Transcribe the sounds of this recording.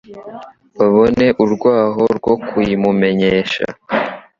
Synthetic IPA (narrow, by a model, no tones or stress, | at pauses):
βaβo̞ne̞ʔuɾɡwaːɦo̞ɾɡwo̞kujimume̞ɲeːʃa̰